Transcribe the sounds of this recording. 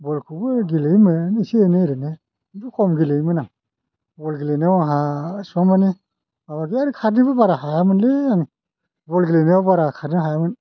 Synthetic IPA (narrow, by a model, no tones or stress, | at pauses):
bɔlkʰubɯɡilejmɯnisieneɾɯne | bukʰɔmɡilejmɯnaŋ | bɔlɡilenewaŋɦasamani | bamaɡiaɾikʰatnibɯbaɾaɦajamɯnleaŋ | bɔlɡilenewabaɾakʰaɾniɦajamɯn